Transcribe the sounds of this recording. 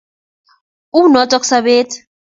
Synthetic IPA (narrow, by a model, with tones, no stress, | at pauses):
u˦nɔ˨˦tʼɔ˦ksaβeː˦t